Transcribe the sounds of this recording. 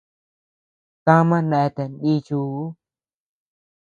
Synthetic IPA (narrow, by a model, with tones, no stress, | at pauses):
t̪ã˦mã˦nẽ˧˨e˧t̪e˨nɗi˦t͡ʃu˧u˦